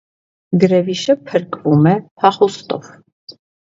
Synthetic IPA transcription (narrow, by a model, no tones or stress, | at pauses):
ɡɾɛviʃəpʰəɾkʼvumɛpʰɑχust̪ʼɔ̰v